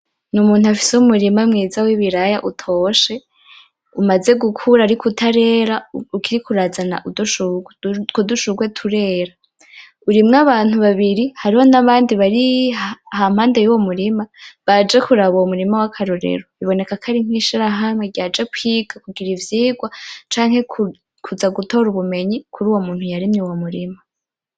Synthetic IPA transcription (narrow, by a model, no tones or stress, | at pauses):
numuːnhuafi̥seumuɾimamŋiːzawiβiɾajaʔutʰo̞ʃe̞ | umaze̞ɡukʰuɾaɾikutʰaɾe̞ːɾaukiɾikuɾazana̰ʔuduʃukoduʃuɡwe̞tʰuɾe̞ɾa | uɾimŋaβaːn̥huβaβiɾihaɾiho̞naβaːndiβaɾi | ham̥haːnde̞juwo̞muɾimaβad͡ʒe̞kuɾaβoumuɾimawakʰaɾoɾḛɾoβiβo̞ne̞kakʰaɾiŋ̥iːʃiɾaɦamŋeɟad͡ʒekwiːɡ̥akuɡiɾivjiːɡwat͡ʃaːŋhe̞k | kʰuzaɡuto̞ɾuβume̞ɲikʰuɾuːwo̞muːn̥hujaɾimɲiwomuɾima